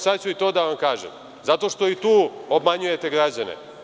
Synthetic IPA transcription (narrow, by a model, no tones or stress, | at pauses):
sad̪t͡ɕuit̪o̞ːd̪aʋamkaːʒḛm | zat̪o̞ʃt̪o̞it̪uːobmaɲuje̞t̪eɡɾad͡ʑanḛ